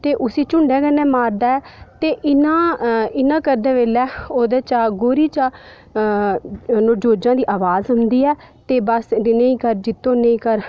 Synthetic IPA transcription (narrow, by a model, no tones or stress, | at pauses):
t̪eːʔʊsiːt͡ʃʊɳɖɛːkənɛːmaːɾd̪aːɛːt̪eːʔɪnãːɪnãːkəɾd̪ɛːʋeːlɛːoːd̪eːt͡ʃaːɡoːɾiːt͡ʃaː | noːd͡ʒoːd͡ʒãːd̪iːʔaːʋaːzɦʊnd̪iːɛː | t̪eːbəsnəĩːkəɾd͡ʒɪt̪ːõːnə̃ĩːkəɾ